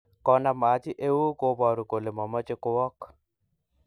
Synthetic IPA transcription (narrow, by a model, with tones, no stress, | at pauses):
kɔ˨na˨ma˨t͡ʃɪ˦ʔe˦wu˦ko˦bɔ˨ɾu˨ko˨le˨mɔ˨ma˦t͡ʃɪ˦kʊ˦wɔ˦k